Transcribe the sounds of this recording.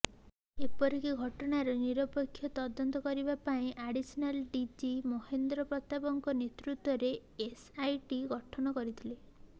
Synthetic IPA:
epɔɾikiɡʱɔʈɔɽaɾɔniɾɔpekʰːjɔt̪ɔd̪ɔnt̪ɔkɔɾibapaĩʔaɽisɔnalɖid͡ʒimohend̪ɾɔpɾɔt̪abɔŋkɔnet̪ɾut̪wɔɾe | esajʈiɡɔʈʰɔnɔkɔɾit̪ʰile

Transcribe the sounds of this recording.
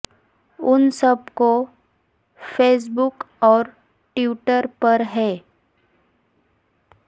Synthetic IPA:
ʊnsɐbko | feːs̬bʊk | ɔːɾ | ʈuːʈəɾpɐɾɦɛː

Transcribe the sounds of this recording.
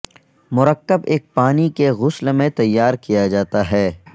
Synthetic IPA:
mʊɾəkːəbeːk̚paːnikeɣʊslmẽt̪ɐjːaːɾkijad͡ʒaːt̪aɦɛː

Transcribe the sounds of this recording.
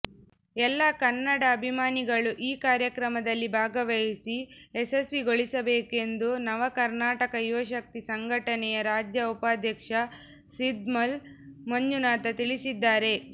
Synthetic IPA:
ɛlːɐkɐɾnːɐɽɐːbʱimaːniɡɐɭuʔiːkaːɾjɐkɾɐmɐd̪ɐlːibʱaːɡɐʋɐjisiesɐsʋiɡo̞ɭisɐbeːke̞nd̪unɐʋɐkɐɾnaːʈɐkɐjuʋɐʃɐk̚t̪isɐŋɡʱɐʈɐnɛjɐɾaːd͡ʒjɐupaːd̪ʱjɐkʂɐ | sid̪mɐlmɐɲd͡ʒunaːt̪ɐt̪iɭisid̪ːaːɾe̞

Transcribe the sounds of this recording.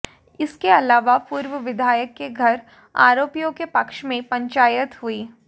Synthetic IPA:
ɪskeɐlaːʋapuːɾʋəʋɪd̪ʱaːjəkːeɡʱɐɾ | a̰ːɾoːpijõkepɐkʃmẽpɐ̃ɲt͡ʃaːjət̪ɦʊiː

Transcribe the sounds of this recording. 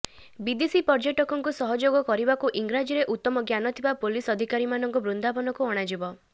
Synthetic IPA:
bid̪isipɔɾd͡ʒɔʈɔkɔŋkusɔɦɔd͡ʒoɡɔkɔɾibakuʔiŋɡɾad͡ʒiɾeʔut̪ːɔmɔɡjanɔt̪ʰibapulisɔd̪ʱikaɾimanɔŋkɔbɾund̪apɔnɔkuɔɽ̃ad͡ʒibɔ

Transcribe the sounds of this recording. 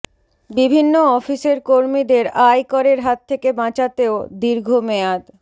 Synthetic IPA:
bibʱinːoɔfiseɾkoɾmid̪eɾajkɔɾeɾɦat̪ʰːekebãt͡ɕat̪eod̪iɾɡʱomead̪

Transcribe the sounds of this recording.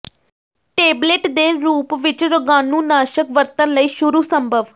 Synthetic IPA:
ʈeːbleːʈd̪eːɾuːpʋɪt͡ʃɾʊɡaːnũːnaːʃəkʋəɾt̪ənləiːʃʊɾuːsəmbʱəʋ

